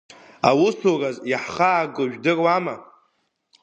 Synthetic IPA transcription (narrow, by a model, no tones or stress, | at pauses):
awʊsorazjaħχaːɡɨʒᶣdɨrwama